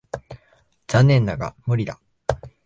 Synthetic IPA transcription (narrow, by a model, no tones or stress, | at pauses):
d͡zanːẽ̞nːaɡa̰mɯ̟ɾʲid̪a